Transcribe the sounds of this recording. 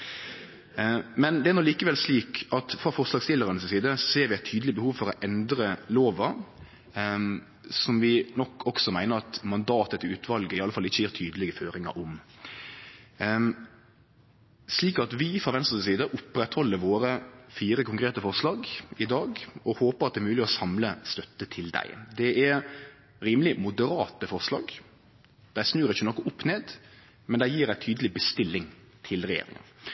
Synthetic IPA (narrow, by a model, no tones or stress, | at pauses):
mɛnd̪ɛæɾnɔliːkəʋɛlsliːkɑt̪fʁɑfɔʁslɑːɡst̪ɪlːəɾənəssiːd̪əsseːɾʋɪæɪt̪ʰyːd̪lɪbəhuːʋfɔɾɔʔɛnd̪ɾəloːʋɑ | sɔmʋɪnɔkʰːɔksɔmæɪnəɾɑt̪mɑnd̪ɑːt̪ət̪ʰɪʉːt̪ʰʋɑlɡəɪɑləfɑlːɪçːəjæːɾt̪ʰyːd̪əlɪɡəføːɾɪŋɑ̰ɾʔɔm | sliːkɑt̪ʋɪfɾɑʋɛnst̪əsəsiːd̪əʔʊpːɾɛt̪hɔlːəɾʋoːɾəfiːɾəkʰʊŋkɾeːt̪əfɔʁslɑːɡɪd̪ɑːɡɔhoːpəɑt̪̚d̪ɛːmʉːlɪɔsɑmləst̪œt̪ːət̪ʰɪld̪æ̰ɪd̪ɛɛ | ɾiːməlɪmʊd̪əɾɑːt̪əfɔʁslɑ̰ːɡ | d̪̥æɪsnʉːɾɪçːənɔkːʊʔʊpːneːd̪ | mɛnd̪æɪjiːɾæɪt̪ʰyːd̪əlɪbəst̪ɪlːɪŋ | t̪ʰɪlɾɛjḛːɾɪ̰ŋə̰n